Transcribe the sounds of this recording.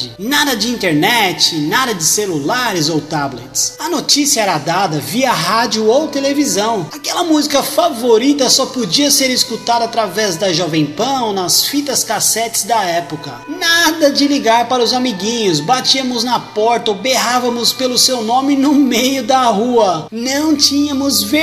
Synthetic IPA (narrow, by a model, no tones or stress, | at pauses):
d͡ʒɪnad̪ɐd͡ʒɪĩnt̪eɾnɛt͡ʃɪnad̪ɐd͡ʒɪselulaɾɪzowt̪ablḛt͡ʃɪ̥sɐnot͡ʃisiɐɛɾɐd̪ad̪ɐviɐɦad͡ʒʊowt̪elevizɐ̃w̃akɛlɐmuzikɐfavoɾit̪ɐsɔpod͡ʒiɐseɾiskut̪ad̪ɐat̪ɾavɛzd̪ɐʒɔvẽj̃pɐ̃w̃nɐsfit̪ɐskasɛt͡ʃɪ̥zd̪ɐɛpokɐnad̪ɐd͡ʒɪliɡaɾpaɾɐʊzamiɡĩɲʊsbat͡ʃiɐmʊznɐpɔɾt̪ɐobeɦavɐmʊspelʊsewnõmɪnʊmejʊd̪ɐɦuɐnɐ̃w̃t͡ʃĩɲɐmʊzve